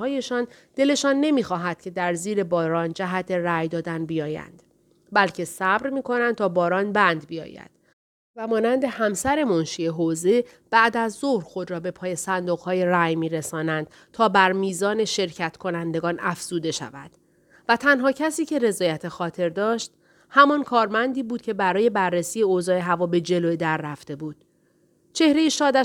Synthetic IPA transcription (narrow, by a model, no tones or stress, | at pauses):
hɒːje̞ʃɒːn | d̪̥e̞le̞ʃɒːnːe̞miːxɒːɦæd̪̥cʰe̞d̪æɾziːɾe̞bɒːɾɒːnd͡ʒæɦæt̪ʰe̞ræjd̪ɒːd̪ænbijɒːjæ̰nd̪̥ | bælcʰe̞sæbɾmiːkʰo̞nænd̪̚t̪ʰɒːbɒːɾɒːnbænd̪bijɒ̰ːjæ̰d̪̥ | væmɒːnænd̪e̞hæmsæɾe̞monʃieɦoːze̞ | b̥æʔd̪æzːohɾxo̞d̪ɾɒːbe̞pʰɒːje̞sænd̪oɣhɒːje̞ræjmiːɾesɒːnænd̪̥ | t̪ʰɒːbæɾmiːzɒːne̞ʃe̞ɾcʰæt̪kʰo̞nænd̪e̞ɡɒːnʔæfz̥uːd̪e̞ʃæ̰væ̰d̪̥ | væt̪ʰænɦɒːcʰæsiːcʰe̞ɾe̞zɒːjæt̪ʰe̞xɒːt̪ʰe̞ɾd̪ɒːʃt̪ | hæmɒnkʰɒːɾmænd̪iːbuːd̪̚cʰe̞bæɾɒːje̞bærːesiːeoːzɒːeɦævɒːbe̞d͡ʒe̞loed̪æɾːæft̪e̞buːd̪̥̚ | t͡ʃʰe̞hɾe̞jiʃɒːd̪æ